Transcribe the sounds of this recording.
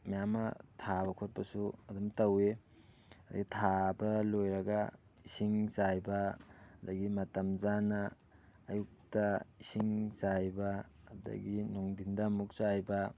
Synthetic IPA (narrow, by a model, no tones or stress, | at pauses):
mijamɐ̰tʰabɐkʰot̚pɐsuɐdumtɐwe | ɐdɐ̰ɡitʰabɐlojɾɐɡa | isiŋsajbɐɐdɐɡimɐtɐmzanɐː | juk̚tɐisiŋsajbɐ | ɐdɐ̰ɡinoŋdindɐmuk̚sajbɐ